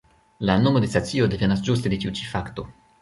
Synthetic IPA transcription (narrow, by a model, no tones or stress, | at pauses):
lano̞mo̞de̞stat͡sio̞de̞ve̞nasd͡ʒuste̞de̞t͡ʃiut͡ʃi̥fakto̞